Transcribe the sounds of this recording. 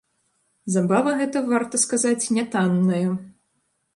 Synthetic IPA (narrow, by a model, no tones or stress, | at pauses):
zabavɐɣɛt̪ɐvart̪ɐskazat͡sʲnʲɛt̪anːɐjɐ